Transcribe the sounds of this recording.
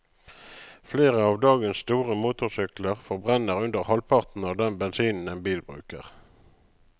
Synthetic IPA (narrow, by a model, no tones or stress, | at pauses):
fleːʁəɑːʋd̪ɑːɡənsst̪uːʁəmuːt̪ʊʁsʏkləʁfɔʁbʁɛnəʁʉnd̪əʁhɑlpʰɑʁt̪n̩ɑːʋd̪ɛnbɛnsiːnn̩ɛnbiːlbʁʉ̰ːkə̰ʁ